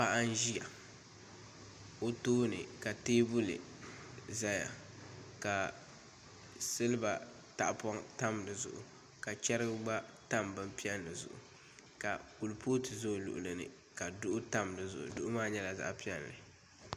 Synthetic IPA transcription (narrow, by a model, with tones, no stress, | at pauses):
pa˦ʔa˦n˦ʒi˦ja̰˨ | o˦toː˦nɨ̰˨ka˨teː˦bʊ˦lɨ̰˨ | za˦ja̰˨ | ka˨ | sɨ˦lɨ˦ba˨ | ta̰˨ʔpɔ˦ŋta˦m˨dɨ˨zʊ̰˨ʔʊ̰˨ | ka˨t͡ʃɛ˦ɾɨ˦ɡɨ˦ɡ͡ba˦ta˦˨mbɨ˦m˦pi˦ɛ˦nː˨ɨ˨zʊ̰˨ʔʊ̰˨ | ka˨ku˨lpʰo˦tɨ˨zo˦˨lʊ̰˨ʔʊ̰˨lɨ˨nɨ̰˨ | ka˨dʊ˦ʔʊ˦ta˦m˨dɨ˨zʊ̰˨ʔʊ̰˨dʊ˦ʔʊ˦maː˦ɲɛ˦la˨za̰˦ʔpi˦ɛ˦lːɨ̰˨